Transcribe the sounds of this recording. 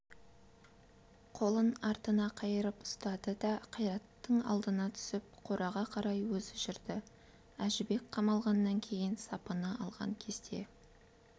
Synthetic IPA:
qʰo̞lˠənɑɾt̪ənɑqʰɑjəɾəpʊ̥st̪ɑd̪əd̪ɑqʰɑjɾɑt̪ːəɴɑ̰lˠd̪ənɑt̪ʰʏ̥sɪp̚qʰo̞ɾɑʁɑqʰɑɾɑjwɵzʒɪɾd̪ɪ | æʒɪbe̞k̚ʲqʰɑmɑlˠʁɑnːɑŋkʲʰe̞jɪnsɑpənəʔɑlˠʁɑ̰ŋkʲʰe̞zd̪e̞̰

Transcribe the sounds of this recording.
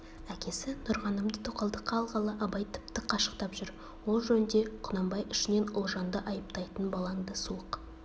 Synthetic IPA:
ækʲe̞sɪnʊɾʁɑnəmd̪ət̪ʰoqɑlˠd̪əqʰːɑːlˠʁɑlˠɑʔɑbɑjt̪ʰʏ̥pt̪ɪqʰɑʃə̥qt̪ɑpʒʏɾ | wo̞lˠʒɵnɪnd̪e̞qʰʊnɑmbɑjʏʃɪne̞nʊlˠʒɑnd̪əʔɑjəpt̪ɑjt̪ənbɑlˠɑŋd̪əsuəq

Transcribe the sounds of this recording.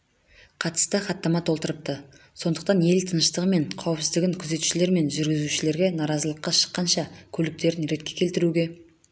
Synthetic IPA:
qʰɑt̪ə̥st̪əχɑt̪ːɑmɑt̪ʰo̞lˠt̪əɾəp̚t̪ə | so̞nd̪ə̥q̚t̪ɑnje̞lt̪ʰənəʃt̪əʁəme̞ɴqʰɑwəpsɪzd̪ɪɡʲɪŋkʲʰʏze̞t̪u̥ʃɪle̞ɾme̞nʒʏɾɡʲɪzuʃɪle̞ɾɡʲe̞nɑɾɑzəlˠəqːɑʃə̥qːɑnʃɑkʲʰɵlɪk̚t̪e̞ɾɪnɾe̞t̪̚kʲe̞kʲʰe̞lt̪ɪɾuɡʲe̞

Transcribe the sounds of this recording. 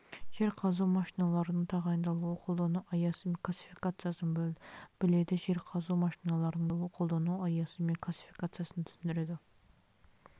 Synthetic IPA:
ʒ̥eɾqʰɑzumɑʃinɑlˠɑɾɨnɨŋt̪ʰɑʁɑind̪ɑlˠɨʁqʰolˠd̪ɑnuʔɑjɑsɨmklˠɑsi̥fikɑt̪sijɑsɨnɨbøld̪ɪb̥ɪled̪ɪʒeɾqʰɑzuwmɑʃinɑlˠɑɾnɨŋlˠuqʰolˠd̪ɑnuɑjɑsɨmekʰlˠɑsi̥fi̥kɑt̪sijɑsɨnɨt̪ʰy̥synd̪yɾɪd̪u

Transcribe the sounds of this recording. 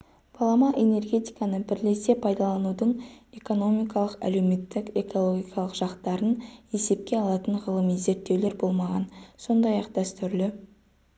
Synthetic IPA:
b̥ʰɑlˠɑmɑʔe̞ne̞rɡʲe̞t̪ijkɑnəbɪɾle̞se̞pʰɑjd̪ɑlˠɑnud̪əɴe̞ko̞no̞mijkɑlˠəqæ̰le̞wme̞t̪ːɪke̞ko̞lˠo̞ɡʲijkʰɑlˠəqʒ̥ɑqt̪ɑɾəne̞se̞p̚kʲe̞ɑlˠɑt̪əɴʁəlˠəmize̞ɾt̪ːe̞wle̞ɾbo̞lˠmɑʁɑ̰nso̞nd̪ɑjɑqd̪æst̪ʏɾlɪ

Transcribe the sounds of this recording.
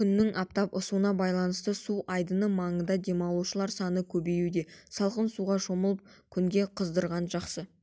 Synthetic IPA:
kʰʲʏnːɪŋʔɑp̚t̪ɑpʊsuənɑbɑjlˠɑnəst̪əsuʔɑjd̪ənəmɑɴənd̪ɑd̪e̞mɑlˠuʃəlˠɑɾsɑnəkʲʰɵbe̞jud̪e̞sɑlˠqənsuʁɑʒo̞məlˠəp̚kʲʰʏŋɡʲe̞qʰəzd̪əɾʁɑnʒɑqsə

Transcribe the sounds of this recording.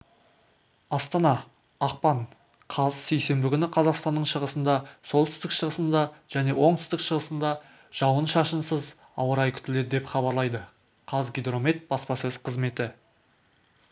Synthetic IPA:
ɑst̪ɑnɑː | q̚pɑɴ | qʰɑzse̞jse̞mbɪkʲʏnɪqʰɑzɑqst̪ɑnːəɴʃəʁəsənd̪ɑso̞lˠt̪ʏst̪ɪkʃəʁəsənd̪ɑʒ̥æne̞wo̞ɴt̪ʰʏ̥st̪ɪkʃəʁəsənd̪ɑ | ʒ̥ɑwənʃɑʃənsəz | ɑ̰wəɾɑjkʲʰʏ̥t̪ɪle̞d̪ɪd̪e̞pχɑbɑɾlˠɑjd̪ə | qʰɑzɡʲijd̪ro̞met̪̚b̥ɑspɑsɵz̥qʰəzme̞t̪ɪ

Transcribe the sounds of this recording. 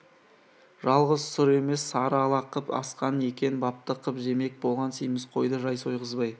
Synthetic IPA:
ʒɑlˠʁəzsʊɾe̞me̞sːɑɾɑlˠɑqəpɑ̰sqɑne̞kʲe̞nbɑp̚t̪əqəpʒe̞me̞k̚bo̞lˠʁɑnsejmɪsqʰo̞jd̪əʒɑjso̞jʁəzbɑj

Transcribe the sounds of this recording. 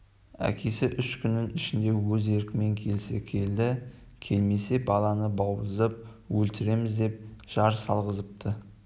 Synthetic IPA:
æ̰kʲʰe̞sɪʔʏʃkʲʰʏnːɪnɪʃɪnd̪e̞wɵze̞ɾkʲɪme̞ŋkʲʰe̞lɪsekʲʰe̞ld̪ɪ | kʲʰe̞lme̞se̞bɑlˠɑnəbɑwəzəp̚ | wɵlt̪ɪɾe̞mɪzd̪e̞p̚ʒ̥ɑɾsɑlˠʁəzəp̚t̪ʰə

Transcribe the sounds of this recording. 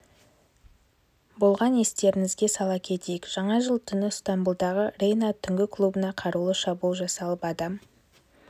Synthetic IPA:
bo̞lˠʁɑne̞st̪e̞ɾɪŋɪzɡʲe̞sɑlˠɑkʲʰe̞t̪e̞jɪkʒ̥ɑɴɑʒəlˠt̪ʰʏnɪst̪ambulˠd̪ɑʁərʲe̞jnat̪ʰʏŋɡʲɪkʰlˠubənɑqʰɑɾulˠəʃɑbulˠʒɑsɑlˠəpɑd̪ɑm

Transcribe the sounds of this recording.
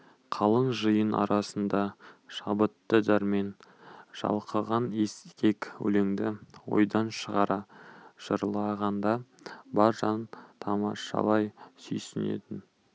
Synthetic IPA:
qʰɑlˠəɴʒəjənɑ̰ɾɑsənd̪ɑʃɑbət̪ːəd̪ɑɾme̞nʒ̥ɑ̰lˠqəʁɑneskʲe̞kwɵ̰le̞ŋd̪ɪwo̞̰jd̪ɑnʃəʁɑɾɑʒ̥əɾlˠɑʁɑnd̪ɑ | bɑɾʒɑnt̪ʰɑmɑ̰ʃɑ̰lˠɑjsʏ̰jsɪne̞̰t̪ɪn

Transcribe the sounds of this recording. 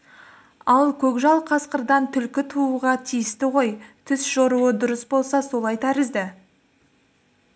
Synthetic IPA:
ɑlˠkʲʰɵkʒɑlˠqʰɑsqəɾd̪ɑnt̪ʰʏlkʲɪt̪ʰuuʁɑt̪ʰijɪst̪ɪʁo̞jt̪ʰɪsʒ̥oɾuəd̪ʊɾəsbo̞lˠsɑso̞lˠɑjt̪ʰæɾɪzd̪ɪ

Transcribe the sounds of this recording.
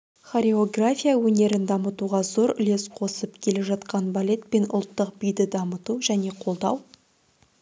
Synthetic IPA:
χoɾʲeo̞ɡrafʲijawɵne̞ɾɪnd̪ɑmət̪uʁɑzo̞ɾʏle̞sqʰo̞səpkʲʰe̞le̞ʒɑt̪qɑnbalʲe̞t̪̚pe̞nʊ̰lˠt̪ːəq̚bijd̪ɪd̪ɑmət̪uʒæne̞qʰo̞lˠd̪ɑw

